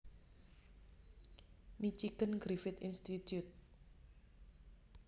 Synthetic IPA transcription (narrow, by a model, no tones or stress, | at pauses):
mit͡ʃiɡənɡɾifɪt̪ḭnst̪it̪jut̪̚